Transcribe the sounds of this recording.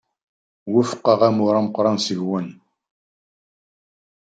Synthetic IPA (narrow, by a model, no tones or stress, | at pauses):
wifə̥qːɑʁæmʊɾˤɑməqːɾˤɑnsəʝwən